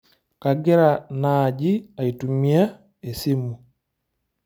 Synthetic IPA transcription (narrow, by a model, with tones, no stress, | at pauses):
ka˨ɡɛ˦ɾa˨naː˨ɟi˦a˨i˨tu˨mi˦a˦ | e˨si˦mu˨